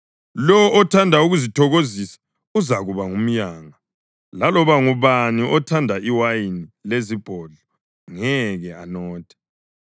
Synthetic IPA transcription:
lɔɔʔɔtʰandʱauɣuzitʰɔɣozisḁ | uzaɣuβaŋum̩jaːŋa | lalɔβaŋuβaniʔɔtʰandʱaʔiwainilezib̥ʱɔɮɔ | ŋɛɣɛanɔːtʰɛ̥

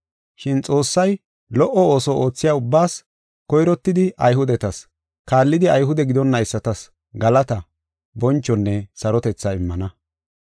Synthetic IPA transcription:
ʃɪnt͡sʼo̞ːsːɐj | lɔʔɔo̞ːsɔoːt͡sːɪjaːʊbːaːs | kɔjɾɔt̪ːɪd̪ɪʔɐjɦʊd̪ɛt̪ɐs | kaːlːɪd̪ɪɐjɦʊd̪ɛɡɪd̪ɔnːɐɪsːɐt̪ɐs | ɡɐlɐt̪ɐ | bɔnt͡ʃːɔnːɛsɐɾɔt̪ɛt͡sːɐɪmːɐnɐ

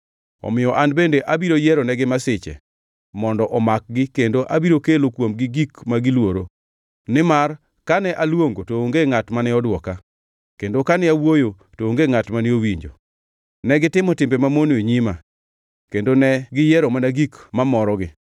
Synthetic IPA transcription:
ɔ̰mɪjɔʔanbendeʔabiɾojɛɾonɛɡɪmasɪt͡ʃɛ̰ | mɔndɔʔɔmak̚ɡɪkendoʔabiɾokelokwomɡɪɡikmaɡɪlwoɾo | nɪmar | kanɛʔalwoŋɡotoːŋɡeŋatmanɛɔdwɔka | kendokanɛawojo | tooŋɡeŋatmanɛowiɲd͡ʒo̰ | nɛɡɪtɪmɔtɪmbemamonoɲɪma̰ | kendonɛɡɪjɛɾomanaɡikmamɔɾɔɡɪ

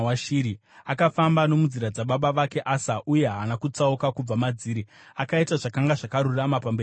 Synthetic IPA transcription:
waʃiɾi | akafambano̞muziɾad͡zaɓaɓaʋake̞ʔasaʔuje̞ɦanakut͡saukakub͡vamad͡ziːɾi | akaitaʐakaŋɡaʐakaɾuramapambeː

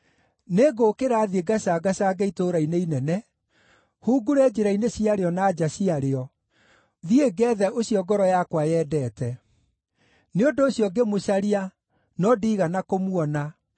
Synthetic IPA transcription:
neɡokeɾaðieɡasaɡasaɡeitoɾaineinɛnɛ | huːɡuɾɛːd͡ʑeɾaineɕiaɾeɔnaːd͡ʒasiaɾeɔ | ðieɡɛːðɛʔoɕiɔɡɔɾɔjakwajɛːdɛːtɛ | neondoːɕjɔɡemoɕaɾia | nɔdiːɣanakomwɔna

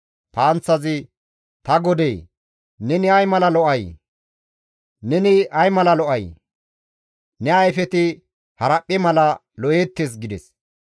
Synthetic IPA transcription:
t̪aːnt͡sːɐzɪ | t̪ɐɡɔd̪ej | nɛnɪɐjmɐlɐlɔʔɐj | nɛnɪɐjmɐlɐlɔʔɐj | nɛɐjfɛt̪ɪ | hɐɾɐpʼːɛmɐlɐ | lɔʔjeːt̪ːes̬ɡɪd̪ɛs

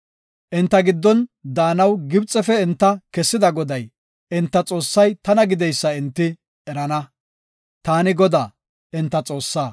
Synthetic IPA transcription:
ʔɪnt̪ːɐɡɪd̪ːɔnd̪aːnɐwɡɪbt͡sʼːɛfɛɪnt̪ːɐkɛsːɪd̪ɐɡɔd̪ɐj | ʔɪnt̪ːɐt͡sʼo̞ːsːɐjt̪ɐnɐɡɪd̪ɛjsːɐɪnt̪ːɪ | ɛɾɐnɐ | t̪aːnɪɡɔd̪aː | ʔɪnt̪ːɐt͡sʼo̞ːsːaː

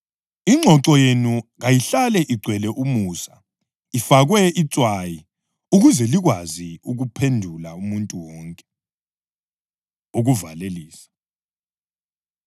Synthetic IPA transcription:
iŋ͡ǀʱɔǁɔjenuɣajiɬalɛʔiɡ͡ǀʱwɛlɛʔumuːsa | ifaɣwɛit͡sʼwaji | uɣuzɛliɣwaziuɣupʰendʱulaumuntʼuwɔːŋkʼɛ | uɣuvaleliːsḁ

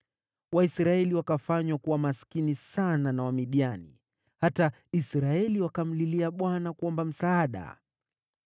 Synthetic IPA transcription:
waisɾaɛliwakafaɲwakuwamaskinisananawamiɗianḭ | hata | isɾaɛliwakam̩liliaɓwanakuɔmbam̩saːɗa̰

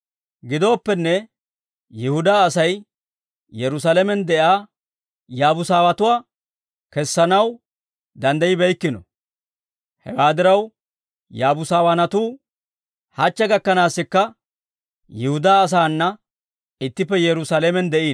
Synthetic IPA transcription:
ɡɪd̪o̞ːpːɛnːɛ | jɛhʊd̪aːsɐj | jɛɾʊs̬alɛmɛnd̪ɛʔaː | jaːbʊsaːwɐt̪ʊwaː | kɛsːɐnɐw | d̪ɐnd̪ɐjɪbɛjkːɪnɔ̰ | hɛ̰waːd̪ɪɾɐw | jaːbʊsaːwɐnɐt̪uː | hɐt͡ʃːɛɡɐkːɐnaːsːɪkːɐ | jɪhʊd̪aːs̬aːnːɐ | ɪt̪ːɪpːɛjɛɾʊsalɛmɛnd̪ɛʔiːn

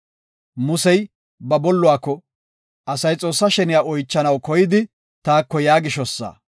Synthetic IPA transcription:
mʊsɛj | bɐbɔlːʊaːkːɔ | ɐsɐjt͡sʼo̞ːsːɐʃɛnɪjaːʔɔjt͡ʃːɐnɐwkɔjɪd̪ɪ | t̪aːkːɔjaːɡɪʃɔsːa̰ː

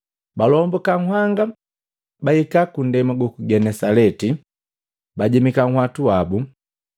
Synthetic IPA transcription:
balɔmbɔkaŋ̩ɦwaŋɡa | baikakun̩dɛmaɡukuɡɛnɛsalɛti | baɟɛmikaŋ̩hwatuabu

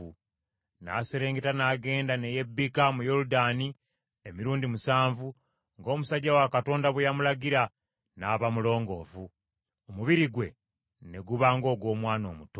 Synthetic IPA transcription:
u | na̰seɾe̞ːŋɡetanaːɡe̞ːndaneje̞bːikamujo̞ɾudaːni | emiɾuːndimusaːɱvu | ŋɡo̞ːmusaɟawakato̞ːndaβwejamulaɡiɾa | naːβamulo̞ːŋɡo̞ːvu | omuβiɾiɡwe̞ | ne̞ɡuβaːŋɡo̞ːɡwo̞ːmwaːno̞̰ːmuto

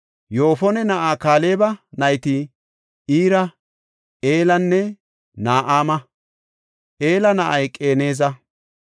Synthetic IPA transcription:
jo̞ːfɔnɛnɐʔaːkaːle̞ːbɐnɐjt̪ɪ | iːɾɐ | eːlɐnːɛ | naːʔaːmɐ | ʔe̞ːlɐnɐʔɐjkʼe̞ːne̞ːzɐ

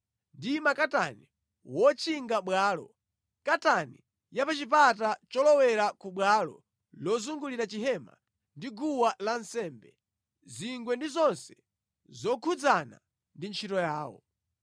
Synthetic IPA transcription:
ndimakatani | wɔt͡ʃʰiŋɡaɓwaːlɔ̰ | katani | japat͡ʃip̬atat͡ʃɔlɔwɛɾakuɓwalɔ̰ | lɔzuŋɡuliɾat͡ʃiɦɛma̰ | ndiɡuwalansɛːmbɛ | ziŋɡwɛndizɔnsɛ | zɔkʰud͡zana̰ | ndint͡ʃʰitɔjaːwɔ̰

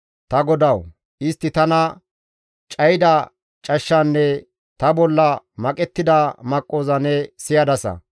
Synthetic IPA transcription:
t̪ɐɡɔd̪ɐw | ʔɪst̪ːɪt̪ɐnɐ | t͡ʃʼɐjɪd̪ɐ | t͡ʃʼɐʃːɐnːɛ | t̪ɐbɔlːɐ | mɐkʼɛt̪ːɪd̪ɐmɐkʼːo̞ːzɐnɛsɪjɐd̪ɐsɐ̰

